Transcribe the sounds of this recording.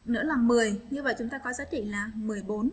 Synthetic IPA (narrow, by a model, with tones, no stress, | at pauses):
nɨ̰˧˥laː˨˩mɨ˨˩əjɲɨ˧və̰˧˨jt͡ɕʊ˨˦ŋ͡mt̪aː˧kɔ˨˦zaː˨˦˥t͡ɕḭ˧˨laː˨˩mɨ˨˩əjɓo˨˦n